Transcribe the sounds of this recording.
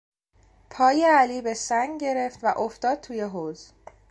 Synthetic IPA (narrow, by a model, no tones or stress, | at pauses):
pʰɒːjeæliːbe̞sæŋɡɟe̞ɾe̞ft̪væʔoft̪ɒːd̪̥̚t̪ʰuːje̞ɦoz